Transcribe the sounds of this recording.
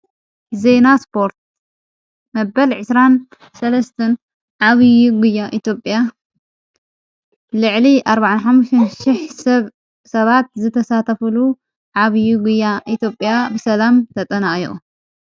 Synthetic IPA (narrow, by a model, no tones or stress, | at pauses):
ze̞naspʰo̞ɾt̪̚ | mɐbɐlʕɨsɾan | sɐlɐst̪ʰɐn | ʕaβɨjuɡujaʔit̪ʰjo̞pʼja | lɨʕliʔaɾbaʕanħamːuʃt̪ʰɐnʃɪħsɐβ | sɐβat̪̚zɨt̪ʰɐsat̪ʰɐfɨlu | ʕaβjuɡujaʔit̪ʰjo̞pʼjabɨsɐlamt̪ʰɐt̪ʼɐnaʔʼjiχʼu